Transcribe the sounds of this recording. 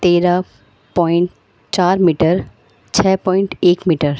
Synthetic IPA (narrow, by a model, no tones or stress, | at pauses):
t̪eːɾa | pɔːɪɳʈ | t͡ʃaːɾmiːʈəɾ | t͡ʃʰɛːpɔːɪ̃ɳʈeːkmiːʈəɾ